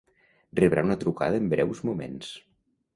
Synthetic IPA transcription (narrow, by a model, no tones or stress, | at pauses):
reβɾaunət̪ɾuka̰ðəːmbɾɛwzmumḛns